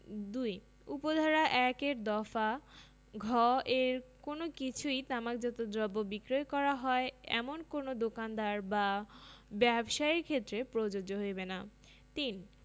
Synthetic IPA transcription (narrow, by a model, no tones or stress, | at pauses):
d̪uj | upod̪ʱaɾaʔɛkeɾd̪ɔfa | ɡʱɔʔeɾkonokit͡ɕʰujt̪amakd͡ʑɔt̪od̪ɾɔbːobikɾojkɔɾaɦɔeɛ̰monkonod̪okand̪aɾba | bɛbʃaeɾkʰet̪ːɾepɾod͡ʑod͡ʑoɦojbena | t̪in